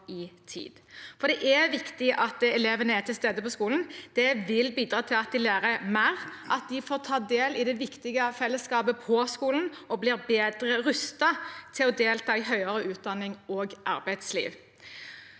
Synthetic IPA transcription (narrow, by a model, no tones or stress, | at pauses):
ɪt̪ʰḭːd̪̥fɔɾd̪ɛʔæʋɪkt̪ɪʔɑt̪̚d̪ɛleːʋənəæt̪ʰɪlst̪eːd̪əpʰɔskuːln̩d̪̥ɛʋɪlbiːd̪ɾɑːt̪ʰɪlɑt̪̚d̪ɪlæːɾəmæʁʔɑt̪̚d̪ɪfoːʁt̪ʰɑːd̪eːlɪd̪ɛʋɪkt̪ɪɡəfɛlːəskɑːbəpʰɔskuːlən̩ɔbliːʁbeːd̪ɾəʁʉst̪ɑt̪ʰɪlɔd̪eːlt̪ʰɑːɪɦœʏəɾəʉːt̪̚d̪ɑnːɪŋoɡʔɑ̰ɾbæɪd̪slḭːʋ